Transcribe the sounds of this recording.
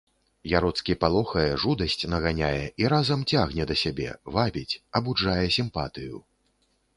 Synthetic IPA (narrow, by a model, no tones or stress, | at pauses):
jaɾɔt̪skʲipalˠɔxɐjɛʐud̪ɐsʲt͡sʲnɐɣanʲajɛʔiɾazɐmt͡sʲaɣnʲɛd̪ɐsʲabʲɛ̰vabʲit͡sʲɐbuʐajɛsʲimpat̪ɨjṵ